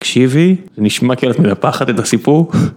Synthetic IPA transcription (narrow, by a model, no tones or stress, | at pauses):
kʃivizeniʃmakelet̪menapaχat̪et̪asipuʁ